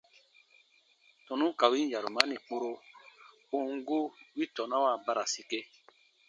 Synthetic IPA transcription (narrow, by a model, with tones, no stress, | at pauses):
tɔ̃˨nũ˦ka˨wi˦ja˨ɾu˨mã˦nĩ˨k͡po˦ɾo˦ | o˦ŋ˦ɡo˦wi˦tɔ˨na˦wa˨ba˦ɾa˨si˦ke˦